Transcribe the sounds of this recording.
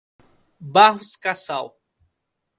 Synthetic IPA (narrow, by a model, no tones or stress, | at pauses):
baɦʊskasaw